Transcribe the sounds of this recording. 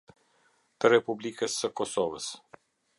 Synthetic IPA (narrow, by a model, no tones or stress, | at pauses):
t̪ɐɾepublʲikɐsɐkɔsɔʋəs